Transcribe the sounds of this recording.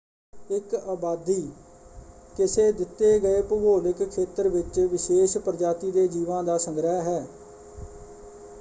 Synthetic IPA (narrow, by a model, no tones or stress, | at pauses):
ɪkaːbaːd̪iː | kɪseːd̪ɪt̪ːeːɡəeːpəboːlɪkkʰːeːt̪əɾʋɪt͡ʃʋɪʃeːʃpəɾd͡ʒaːt̪iːd̪eːd͡ʒiːʋãːd̪aːsə̃ŋɡɾəːɦɛː